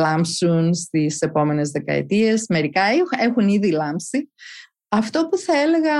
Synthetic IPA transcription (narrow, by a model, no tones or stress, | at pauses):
lɐmsunst̪ise̞po̞me̞ne̞zðekɐ̰ḛt̪ie̞sme̞ɾikɐee̞xuniðilɐmpsi | ɐft̪o̞puθɐe̞le̞ɣɐ